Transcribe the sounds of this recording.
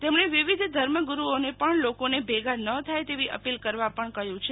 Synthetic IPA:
t̪emɳeʋiʋid̪ʱd̪ʱəɾməɡuɾuonepəɳlokonebʱeɡanət̪ʰajt̪eʋiʔə̰pilkəɾʋapəɳkəɦjũt͡ʃʰe

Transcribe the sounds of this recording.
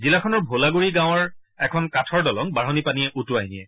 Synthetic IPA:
zilakʰɔnɔɹbʱolaɡuɹiɡãw̃ɔɹ | ɛkʰɔnkatʰɔɹdɔlɔŋbaɦɔnipanijɛʔutuaɦinijɛ

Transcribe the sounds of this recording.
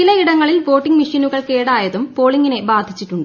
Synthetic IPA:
ilɐiɽɐŋːɐɭilʋo̞ːʈːiŋɡmiʂinuɣɐɭke̞ːɽaːjɐðumpo̞ːɭiŋɡine̞baːd̪ʱit͡ɕːiʈːuɳɖɨ

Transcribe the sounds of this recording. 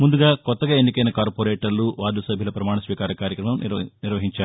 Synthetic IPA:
mund̪uɡaːkɔt̪ːɐɡaːenːikɐjnɐkaːɾpoːɾeːʈɐɾluʋaːd̪usɐbʱjilɐpɾɐmaːɳɐsʋiːkaːɾɐkaːɾjɐkɾɐmɐm̰niɾʋɐɦiɲt͡ʃaːɾu

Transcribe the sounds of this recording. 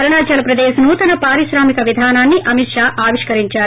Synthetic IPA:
ɐɾɐɳaːt͡ʃɐlɐpɾɐd̪eːʃɐnut̪ɐnɐpaːɾiʃɾaːmikɐʋid̪ʱaːnaːnːiʔɐmit̪ʂaːʔaːʋiʂkɐɾiɲt͡ʃaːɾu

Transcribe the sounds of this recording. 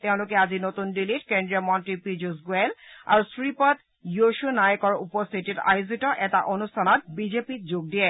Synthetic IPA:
t̪eʊ̃lʊkɛazinot̪undilitkendɹijɔmɔntɹipid͡ʑusɡuela̰ɹusɹipɔt̪ | joʃunajɔkɔɹupɔst̪ʰitita̰juzitɔʔɛtaʔonustʰanɔt̚bizepitd͡ʑoɡ̚diɛ

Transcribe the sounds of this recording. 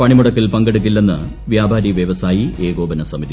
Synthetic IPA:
pɐɳimuɽɐkːilpɐŋɡeɽuk̬ːilːenːɨ | ʋjaːbʱaːɾiʋjɐʋɐsaːjie̞ːɡo̞ːbɐnɐsɐmid̪i

